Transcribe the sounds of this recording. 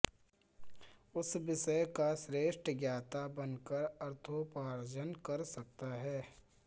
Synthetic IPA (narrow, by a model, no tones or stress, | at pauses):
ʊsʋɪʃəjkasɾeːʃʈɡjaːt̪abɐnkəɾɐɾt̪ʰopaːɾd͡ʒənkɐɾsɐk̚t̪aɦɛː